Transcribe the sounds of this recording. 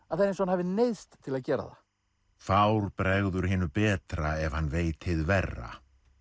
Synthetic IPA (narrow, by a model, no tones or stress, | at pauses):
aðθaɾẽnsɔhanhavɪnejst̪t̪ʰːɪlaðcɛːɾa̰ða̰ | fawɾpɾɛɣðʏɾ̥hɪːnʏpɛːt̪ɾaɛv̥hanːveːjt̪hɪðvɛrːa̰